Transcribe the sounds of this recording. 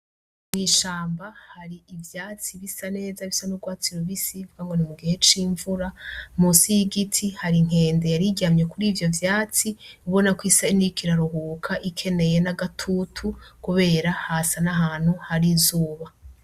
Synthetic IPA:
mŋiːʃaːmbahaɾiːvjaːt͡siβisane̞ːzaβisanuɡwaːt͡siɾuβisivuɡaŋɡo̞nimuɡihe̞t͡ʃiːɱvuɾamusijiɡitʰihaɾiŋ̥e̞ːnde̞jaɾiɟamɲekuɾiːvjo̞vjaːt͡siuβo̞nakwiːsainikʰiɾaɾuhuːkʰaʔikʰe̞ne̞je̞naɡatʰutʰukuβe̞ːɾahaːsanaɦaːn̥huhaɾizuːβa

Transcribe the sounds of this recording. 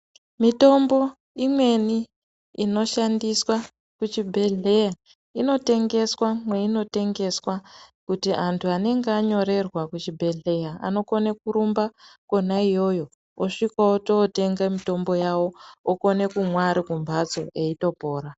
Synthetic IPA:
mito̞mbo̞ | imwe̞ni | ino̞ʃandiswa | kut͡ʃibʱe̞ɮe̞ja | ino̞te̞ŋɡe̞swamwe̞ino̞te̞ŋɡe̞swakutiʔantʰuane̞ŋɡaɲo̞ɾe̞rwakut͡ʃibʱe̞ɮe̞jaa̰no̞ko̞nekuɾumbakonaijo̞jo̞ | oʂikaotoːte̞ŋɡamito̞mbo̞jawo̞oko̞ne̞kumwaɾikumbat͡so̞e̞ito̞po̞ːɾa

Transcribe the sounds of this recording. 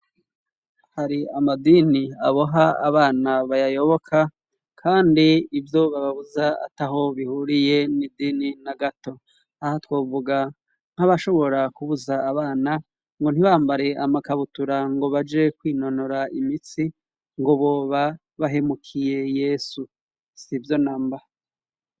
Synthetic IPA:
haɾiamadiːniaβoɦaaβaːnaβajajo̞βo̞kʰa | kʰaːndiːvjo̞βaβaβuzaa̰taɦo̞βihuɾije̞nidiːninaɡato̞ | ahatwo̞ːvuɡa | ŋ̥aβaʃo̞βo̞ɾakuβuzaːβaːna | ŋɡon̥hiβaːmbaɾe̞amakaβutuɾaŋɡo̞βad͡ʒe̞kwiːno̞no̞ɾaimit͡si | ŋɡo̞βoːβa | βaɦe̞mukʰije̞je̞ːsu | sivjo̞naːmba

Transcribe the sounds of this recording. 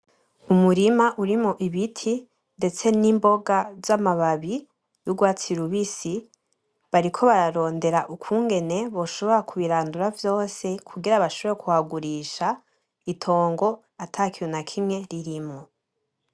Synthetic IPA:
umuɾimaʔuɾimoʔiβitʰi | nde̞t͡se̞niːmbo̞ɡazamaβaβi | juɡwaːt͡siɾuβisi | βaɾikʰo̞βaɾaɾo̞ːnde̞ɾaʔukʰuːŋɡe̞ne̞βo̞ʃo̞βo̞ɾakuβiɾaːnduɾavjo̞ːse̞kʰuɡiɾaβaʃo̞βo̞ɾekuhaɡuɾiːʃa | itʰo̞ːŋɡo̞ | atʰakʰiwonakʰimŋe̞ɾiɾimŋo̞

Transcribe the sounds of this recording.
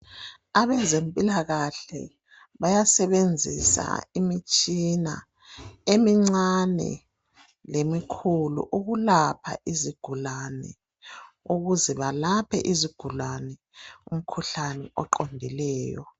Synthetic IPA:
aβɛzempʼilaɣaɬɛ | βajasɛβend͡zʱḭsa̰imit͡ʃʼina̰ | emiŋ͡ǀanɛ̰ | lemikʰulṵʔuɣulapʰa̰ʔiziɡ̥ʱulanɛ̰ | uɣuzɛβalapʰɛ̰ʔiziɡ̥ʱulanɛ | um̩kʰuɬanɛɔǃondʱilɛːjɔ̰

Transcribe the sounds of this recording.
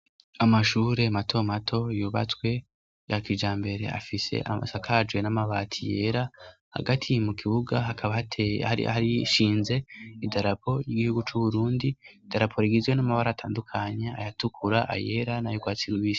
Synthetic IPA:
amaʃuːɾe̞amatʰo̞matʰo̞juβa̰t͡swe̞ | jakid͡ʒaːmbe̞ɾe̞̰a̰fise̞̰ʔa̰a̰sakʰad͡ʒwe̞namaβatʰije̞̰ɾa | ha̰ɡatʰimukʰiβuɡaɦakaβaatʰhaɾḭhaɾiʃiːnze̞idaɾapʰo̞jiɡihuɡut͡ʃuβuɾuːndiid̥aɾapʰo̞ɾiɡizwenamaβaɾaːtʰaːndukʰaɲeajatukʰuɾaʔa̰je̞ɾanajoɡwaːt͡siɾuβiʃa

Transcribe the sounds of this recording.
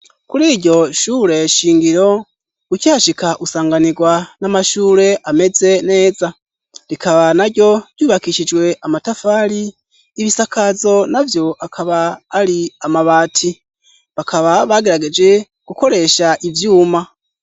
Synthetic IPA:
kuɾiːɾɟo̞ʃuːɾe̞ʃiːŋɡiɾo̞ | ucaːʃikaʔusaːŋɡaniɡwanamaʃuːɾe̞ʔame̞ze̞ne̞ːza | ɾikʰaβanaɾɟo̞ɟɟuːβakiʃid͡ʒɡwe̞ʔamatafaːɾiː | βisakazo̞navjo̞ʔakʰaβaːɾiamaβaːtʰi | βakʰaβaβaɡe̞ɾaɡe̞d͡ʒe̞ | ɡ̥uko̞ɾe̞ʃaʔivjuːma

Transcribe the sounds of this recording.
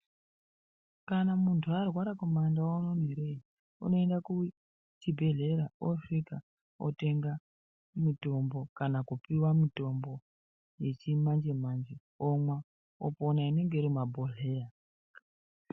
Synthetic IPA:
kanamuntʰuarwaɾako̞mandawononiɾei | ṵno̞e̞ndaku | t͡ʃibʱe̞ɮe̞ɾaoʂika | o̰te̞ŋɡa | mito̞mbo̞kanakupiwamito̞mbo̞ | je̞t͡ʃimand͡ʒe̞mand͡ʒe | omwa | o̰ponaine̞ŋɡeiɾrimabʱoɮe̞ːja

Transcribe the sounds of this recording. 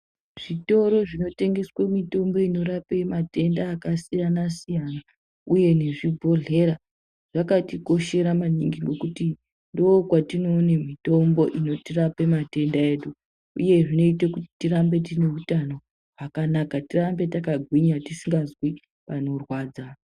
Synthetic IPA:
ʐ̥ito̞ɾo̞ʐino̞te̞ŋɡe̞swemito̞mbo̞ino̞ɾape̞mate̞ndaːkasijanasijana | uje̞ne̞ʐibʱo̞ɮe̞ɾa | ʐ̥akatiko̞ʃe̞ɾamaniŋɡiŋɡo̞kuti | ndookwatino̞ːnemito̞mbo̞ʔino̞tirapemate̞ndae̞ːɗu | uje̞ʐino̞itekuti̥tirambe̞t̬ine̞utano̞ | akanakatirambe̞takaɡʱwiɲatisiŋɡazwi | pano̞rwaːd͡za

